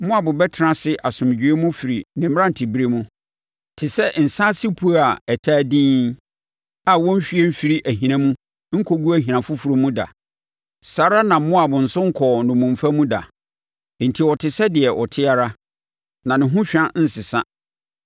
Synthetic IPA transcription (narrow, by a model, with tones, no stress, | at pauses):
mʊ̃˦a˨bʊ˨bɛ˦tʰɪ˨ɾã˦sɪ˦ʔa˨sʊ̃˨m˨d͡ʑᶣi˨˦e˦mʊ̃˦fi˨ɾi˨nɪ̃˨m˦ã˦n̩˨tʰi˨bi˦ɾe˦mʊ̃˦ | tʰɪ˨sɛ˦n̩˨sã˦sɪ˦pʰu˦a˨ɛ˨tʰaː˦dĩː˦ | a˨wɔ̃˦m̩˦fi˦ɛ˦m̩˦fi˨ɾi˦ʔæ˨ɦĩ˨nã˦mũ˦ | ŋ̩˦kʰo˦ɡu˦æ˦˨ɦĩ˨ã˨fʊ˦fu˨ɾo˦mũ˦da̰˨ | saː˨˦ɾa˦nã˨˦mʊ̃˦a˨bʊ̃˨n̩˨sʊ̃˦ŋ̩˦kʰɔ˨nʊ̃˨mũ˨m˨fa˦mũ˦da̰˨˦ | n̩˨tʰi˨wɔ˨tʰɪ˨sɛ˦dɪ˨ɛ˨ʔɔ̰˨tʰɪ˦a˦ɾa˦ | nã˨nɪ̃˨ɦʊ̃˦ɕᶣã˦n̩˦sɪ˨sa˦